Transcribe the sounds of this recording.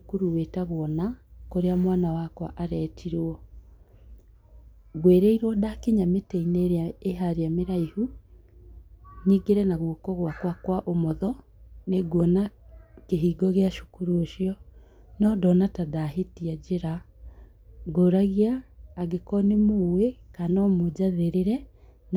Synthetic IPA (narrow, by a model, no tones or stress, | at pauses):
ukuɾuwetaɣwɔnakoɾeamwanawakwa̰ʔaɾɛtʰiɾɔ | ɣweɾeiɾwɔdakeɲameteineɾeaeɦaɾeameɾaihu | niːɡeɾɛnaɣwokɔɣwakwakwaʔomɔðɔneɡwɔnakeɦiːɡɔɣeaʃu̥kuɾuoʃiɔ | nɔdɔnatadaɦetiad͡ʑeɾa | ɡoɾaɣiaːɡekɔnemowekanɔmod͡ʑaðeɾeɾɛn